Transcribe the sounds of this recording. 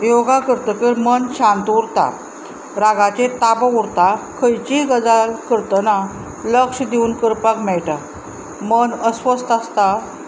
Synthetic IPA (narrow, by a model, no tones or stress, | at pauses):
joɡakəɾt̪əkəɾmənɕãnt̪uɾt̪a̰ | ɾaɡat͡ɕet̪abəuɾt̪akʰəjt͡ɕiɡəd͡zalkəɾt̪əna | ləkʂəd̪euːnkəɾpakmɛɭʈa | mənəsʋəst̪ast̪a